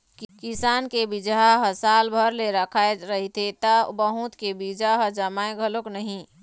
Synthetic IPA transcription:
kkisaːnkebid͡ʒaɦəsaːlbʱəɾleɾəkʰaeɾəɦit̪ʰet̪əbəɦũt̪kebid͡ʒaɦəd͡ʒəmaẽɡʱəloknəɦĩ

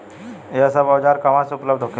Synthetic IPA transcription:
eəsabəʋd͡ʑaɾkamasupləbd̪ʱokʰi

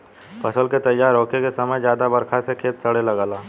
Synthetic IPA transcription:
pɐsəlket̪ɐjːaːɾɔːkekesɐməjd͡ʒjaːd̪abɐɾkʰasekʰeːt̪sɐɽelɐɡaːlaː

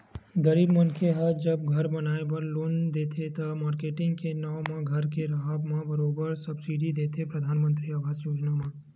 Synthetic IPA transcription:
ɡəɾiːbmənkʰeɦɐd͡ʒəbɡʱɐɾbɐnaːebəɾloːnd̪eːt̪ʰet̪ɐmaːɾkeːʈɪ̃ŋɡkenɔ̃ːmãɡʱɐɾkeɾɐɦabmãbɐɾoːbəɾsɐbsiɖid̪eːt̪ʰepɾəd̪ʱaːnmə̃nt̪ɾiaːʋaːzjoːd͡ʒnamã

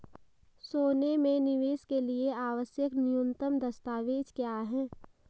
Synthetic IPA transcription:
soːnemẽnɪʋeːskelieaːʋəsjəknɪjʊnt̪əmd̪əst̪aːʋeːd͡ʒkjaːɦɛ̃ː

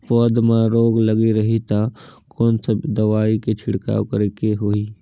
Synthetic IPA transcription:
pɔːd̪mẽɾoːɡləɡiɾɐɦit̪akɔːnsed̪əʋaːiket͡ʃʰɪɽka̰ːkəɾekeɦoːiː

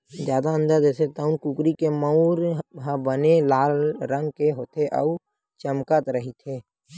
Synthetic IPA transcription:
d͡ʒjaːd̪aə̃nd̪ad͡ʒɛːset̪əʊnkuːkɾikeməuɾɦə̃bənelaːlɾə̃ŋɡkeɦoːt̪ʰeʔə̰u | t͡ʃəmkət̪ɾəɦit̪ʰeː

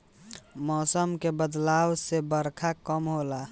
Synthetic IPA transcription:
mɔːsəmkebəd̪laːwsebəɾkʰakəmɦola

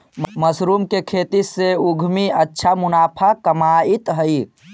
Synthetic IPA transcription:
məsɾumkekʰeːt̪iseuɡʱmiətːʃʰamunaːpʰakəmait̪ɦəi

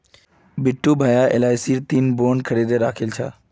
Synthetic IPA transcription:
bɪʈːubʱaːjaɪ̰laːɪsiːɾt̪iːnboːnkʰəɾiːd̪eɾaːkʰɪlt͡ɕʰa̰ː

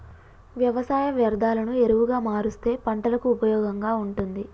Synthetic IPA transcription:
ʋjɐʋɐsaːjɐʋjɐɾd̪ʱaːlɐnue̞ɾuʋuɡaːmaːɾust̪e̞ːpɐɳʈɐlɐkuːpɐjɔːɡɐŋɡaːuɳʈund̪i

